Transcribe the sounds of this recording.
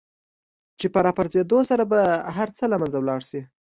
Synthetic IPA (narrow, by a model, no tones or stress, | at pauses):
t͡ʃepəɾɑpaɾzed̪osaɾabaɦaɾt͡səlamanzawlɑɽʃi